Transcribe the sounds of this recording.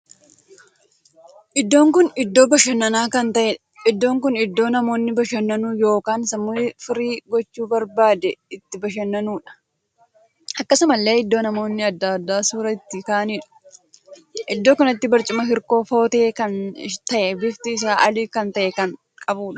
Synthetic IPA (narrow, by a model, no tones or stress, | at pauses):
ʔɪd̪ːo̞ːŋkʊnɪd̪ːo̞ːbɐʃɐnːɐnaːkɐnt̪ɐʔɛᶑɐ | ɪd̪ːo̞ːŋkʊnɪd̪ːo̞ːnɐmo̞ːnːɪbɐʃɐnːɐnuːjo̞ːkaːnsɐmːʊɪfɪɾiːɡɔt͡ʃːuːbɐɾbaːd̪ɛɪt̪ːɪbɐʃ̬ɐnːɐnuːᶑɐ̥ | ʔɐkːɐsɐmɐlːe̞ːɪd̪ːo̞ːnɐmo̞ːnːɪɐd̪ːad̪ːaːsuːɾɐɪt̪ːɪkaːniːᶑɐ̥ | ʔɪd̪ːo̞ːkɐnɐt̪ːɪbɐɾt͡ʃʼɪmɐɦɪɾko̞ːfo̞ːt̪eːkɐnt̪ɐʔɛbɪft̪ɪːs̬aːʔɐliːkɐnt̪ɐʔɛkɐŋ | kʼɐbuːᶑɐ̥